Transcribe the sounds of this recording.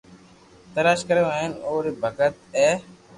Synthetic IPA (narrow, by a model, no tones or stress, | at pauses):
t̪əlaːʃkəɾeaːɦenoːɾiːbʱəɡət̪ɛː